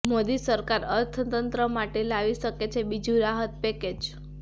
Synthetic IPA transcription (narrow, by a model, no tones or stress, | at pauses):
mod̪isəɾkaɾəɾt̪ʰət̪ənt̪ɾəmaʈelaʋiʃəket͡ʃʰebid͡ʒũɾaɦət̪̚pɛked͡ʒ